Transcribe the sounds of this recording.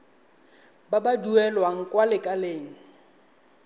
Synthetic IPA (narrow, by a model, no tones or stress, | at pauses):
babaduɛlwaŋ̩kʼwalɪkʼaleːŋ̩